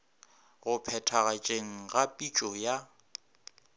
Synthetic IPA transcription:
ɣʊpʰɛtʰaɣat͡ʃʼeŋ̩ɣapʼit͡ʃʼɔja

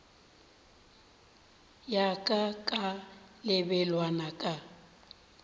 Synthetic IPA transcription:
jakʼakʼalɪbɛlwanakʼa

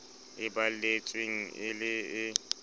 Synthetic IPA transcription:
ɪbalet͡sʼweŋ̩ɪlɪɪ

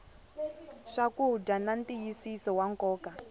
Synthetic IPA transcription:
ʂakuɦudanantijisisɔwaŋkɔːka

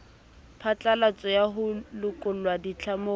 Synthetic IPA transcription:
pʰat͡ɬʼalat͡sʼɔjaɦʊlʊkʼʊlwadit͡ɬʰamoː

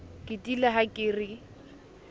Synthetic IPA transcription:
kʼɪtʼilaɦakʼɪːrɪ

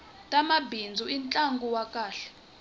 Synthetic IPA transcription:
tʼamabʱind͡zʱuint͡ɬʼaŋɡʱuwakʼaːɬɛ̥

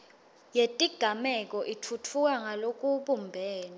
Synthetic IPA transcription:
jetʼiɡ̥ʱamɛk̬ʼɔʔitʰutʰuk̬aŋalok̬ʼuɓumbʱɛːna

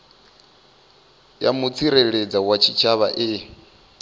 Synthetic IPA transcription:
ja̰mut͡sʰiɾɛɺed͡zawat͡ʃʰit͡ʃʰaβa̰ʔe

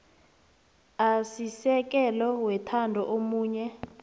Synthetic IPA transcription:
asisɛk̬ʼɛlɔwɛtʰandʱɔʔomuːɲɛ

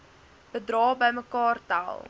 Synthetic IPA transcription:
b̥ədrɑːbəjməkɑːrta̰lˠ

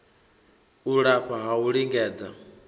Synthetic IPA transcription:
uɺaɸʰaɦauɺiŋɡɛːd͡za

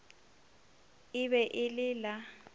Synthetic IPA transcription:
ɪβɛʔɪlɪla

